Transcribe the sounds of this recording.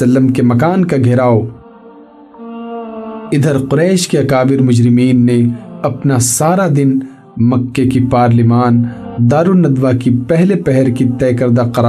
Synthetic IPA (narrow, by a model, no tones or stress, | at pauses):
ɐlːəmkemɐkaːnkaɡʱɪɾaːo | ɪd̪ʱəɾqʊɾɛːʃkeɐkaːbɪɾmʊd͡ʒɾɪmiːnːeɐpnasaːɾad̪ɪn | mɐkːekipaːɾlɪmaːnd̪aːɾunɐd̪ʋakipɛɦlepɛɦɛɾkit̪ɛːkɐɾd̪aqɐɾaː